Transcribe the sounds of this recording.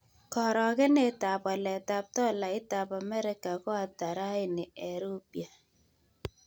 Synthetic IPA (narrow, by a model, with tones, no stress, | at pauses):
kɔ˨ɾɔ˨ɣɛ˦ne˦ta˨pa˨lɛ˨ta˨p̚tɔ˦la˨ɪ˦ta˨pa˨mɛ˦ɾɪ˦ka˨kɔ˦a˨ta˨ɾa˦ɪ˦nɪ˨ɛ˨ɾu˦pja˨